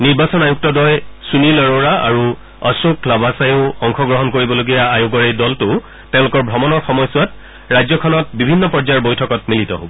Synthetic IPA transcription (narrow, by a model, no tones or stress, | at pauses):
niɹbasɔnajuk̚tɔdɔjsunilɔɹoɹaa̰ɹu | ɔsuklabasajʊɔŋkʰɔɡɹɔɦɔnkoɹibɔloɡijaajoɡɔɹejdɔltʊ | tɛ̃ʊ̃lʊkɔɹbʱɔmɔnɔɹxɔmɔjsʊwat | ɹajzɔkʰɔnɔt̚bibʱinːɔpɔɹzaɹbojtʰɔkɔtmilitɔ̰ɦo̰bɔ